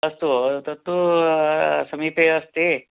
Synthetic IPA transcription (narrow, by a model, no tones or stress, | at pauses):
ɐst̪ut̪ɐt̪ːu | sɐmiːpeɐst̪e